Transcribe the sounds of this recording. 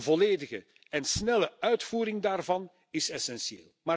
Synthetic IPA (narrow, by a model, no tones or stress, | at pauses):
vɔleːdəɣə | ɛnsnɛləœɥtfuːɾɪŋdaːrvɑn | ɪsɛsɛnsiḛːlˠmaː